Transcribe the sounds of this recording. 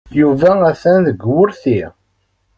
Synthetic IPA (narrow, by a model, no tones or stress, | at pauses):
juvææθænðəɡwʊɾθi